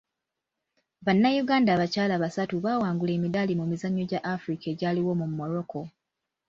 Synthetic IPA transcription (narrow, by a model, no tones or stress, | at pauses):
βanːajuɡaːndaːβacaːlaβasatuβaːwaːŋɡule̞ːmidalimumizaɲːo̞ɟaʔafuɾikae̞ːɟaːliwo̞mumːo̞ɾo̞ko̞